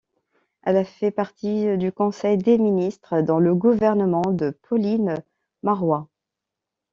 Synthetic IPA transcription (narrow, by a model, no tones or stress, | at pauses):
ɛlafɛpaʁt̪id̪ykɔ̃sɛjd̪eminist̪χəd̪ɑ̃ləɡuvɛʁnəmɑ̃d̪əpʰɔlin | maʁwa